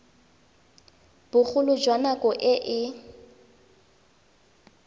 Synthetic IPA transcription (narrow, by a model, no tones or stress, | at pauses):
b̥ʊk͡xʰʊlʊd͡ʒwanakʼɔʔɪʔɪ